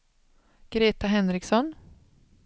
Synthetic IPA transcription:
ɡ̥ɾeːt̪aɦɛnɾɪksɔn

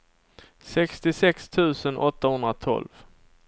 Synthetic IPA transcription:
sɛkst̪ɪsɛkst̪ʰʉ̟ːsənʔɔt̪ːahɵnd̪ɾat̪ʰɔ̰lv

